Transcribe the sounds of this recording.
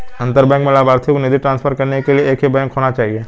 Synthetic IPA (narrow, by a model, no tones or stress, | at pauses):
ɐ̃nt̪əɾbɛ̃ːŋkmẽlaːbaːɾt̪ʰiknɪd̪iʈɾãːnspʰəɾkɐɾnekelieeːkɦibɛ̃ːŋkʰɦoːnat͡ʃaːɦieː